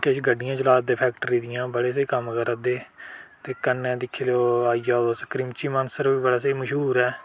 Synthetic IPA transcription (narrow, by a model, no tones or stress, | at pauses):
keʃɡəɖɪjãːd͡ʒəlaːt̪d̪eːpʰɛːk̚ʈəɾiːd̪ɪjãːbəɽeːs̬eiːkəmkəɾəd̪eːt̪eːkənːɛ̃ːd̪ɪkʰːeːloːaːijaːod̪osəkɾimt͡ʃiːmənsəɾʋiːbəɽaːseiməʃɦuːɾɛː